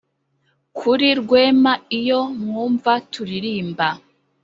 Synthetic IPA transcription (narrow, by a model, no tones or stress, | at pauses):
kʰuɾiɾɡwe̞ːmaijo̞mŋuːɱvatʰuɾiɾiːmba